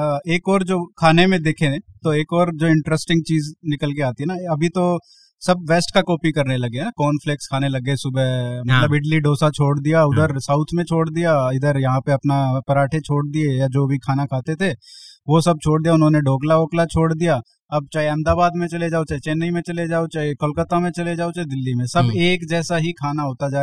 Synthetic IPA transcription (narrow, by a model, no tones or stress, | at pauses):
eːkɔːɾd͡ʒoːkʰaːnemẽd̪eːkʰẽt̪oeːkɔːɾd͡ʒoːɪ̃ɳʈɾəsʈɪ̃ŋɡ̚t͡ʃiːznɪkəlk̬eaːt̪iɦɛnaɐbʱit̪o | sɐb̚ʋeːsʈkakɔːpikɐɾnelɐɡeɦɛnakɔːnfʰleːkskʰaːnelɐɡesʊbɛmɐt̪ləbɪɖliɖoːsat͡ʃʰoːɽd̪ijaʊd̪əɾsaːʊt̪ʰmẽt͡ʃʰoːɽd̪ijaɪd̪əɾjɐɦãpeɐpnapɐɾaːʈʰet͡ʃʰoːɽd̪iejad͡ʒoːbʱikʰaːnakʰaːt̪et̪ʰeʋosɐb̚t͡ʃʰoːɽd̪ijaʊnɦõneɖoːɡlaoːklat͡ʃʰoːɽd̪ijaː | ɐb̚t͡ʃaːeɛ̃ːmd̪aːbaːd̪mẽt͡ʃɐled͡ʒaːot͡ʃaːet͡ʃeːnːəimẽt͡ʃɐled͡ʒaːot͡ʃaːekɐlkət̪amẽt͡ʃɐled͡ʒaːot͡ʃaːed̪ɪlːimẽsɐbeːkd͡ʒɛːsaɦikʰaːnaɦoːt̪ad͡ʒaː